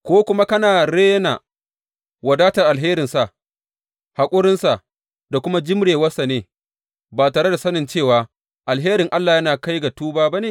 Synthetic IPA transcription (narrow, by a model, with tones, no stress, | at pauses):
kʷoː˦kʷʊ˦ma˦kɐ˦naː˨ɽeː˦na̰˨ | wɐ˨daː˦ta˨ʔa˨lɦeː˦ɾɪ˨nsa˨ʔ | ha˨kʷʼʊ˦ɽɪ˦nsa˨ʔ | da˨kʷʊ˦ma˦d͡ʒɪ˦mɽeː˨wɐ˦sa˨neː˨˦ | baː˨taː˨ɽe˦da˨sɐ˦nɪ˨nt͡ʃeː˦˨waː˨ | ʔa˨lɦeː˦ɾɪ˨ŋʔa˦lːaː˨jɐ˦naː˨ka˦jɡa˨tuː˦baː˦ba˦neː˨